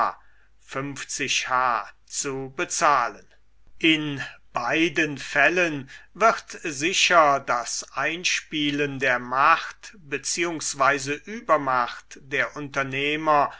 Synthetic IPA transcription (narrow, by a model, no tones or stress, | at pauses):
fʏmft͡sɪʃhaː | t͡subət͡saːlən | ʔɪnb̥aɪdənfɛlənvɪʁtzɪʃɐdasʔaɪnʃpiːləndeːɐmaχtbət͡siːʊŋsv̥aɪzəʔyːbɐmaxtd̥eːɐʔʊntɐneːmɐ